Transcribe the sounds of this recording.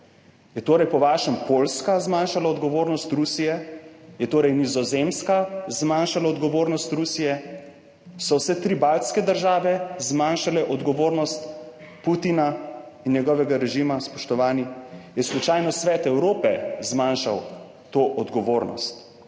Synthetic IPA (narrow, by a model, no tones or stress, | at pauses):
jɛt̪oːɾɛjpɔʋaːʃɛmpolskazmanʃalaɔd̪ɡɔʋoːɾnɔst̪ɾusijɛjɛt̪oːɾɛjnizɔzemskazmaːnʃalaɔd̪ɡɔʋoːɾnɔst̪ɾusijɛ | sɔwsɛt̪ɾibalt̪skɛd̪əɾʒaːʋɛzmaːnʃalɛʔɔd̪ɡɔʋoːɾnɔst̪ | put̪inainjɛɡɔʋɛɡaɾɛʒiːmaspɔʃt̪ɔʋaːnijɛslut͡ʃaːjnɔsʋɛːt̪ɛwɾoːpɛzmanʃaw | t̪oːʔɔd̪ɡɔʋoːɾnɔ̰st̪